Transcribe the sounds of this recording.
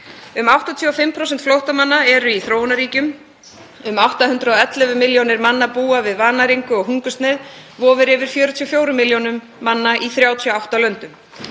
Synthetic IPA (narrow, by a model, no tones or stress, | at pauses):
ʏmawht̪ɔt̪ʰjuɔfɪmːpʰɾowsɛn̥t̪flowht̪amanːaɛɾʏiθɾoːwnaɾiːcʏm | ʏmawht̪ahʏnt̪ɾaɔɛt̪lɛvʏmɪljownɪɾmanːapuːavɪðvaːnaɾiŋkʏɔɣɦuŋkʏst̪nɪːð | vɔːvɪɾɪvɪɾ̥fjœːɾʏt̪ʰyɔfjoːwɾʏmːɪljonʏmːanːaʔiθɾjaːwt̪ʰjawht̪alœnt̪ʏm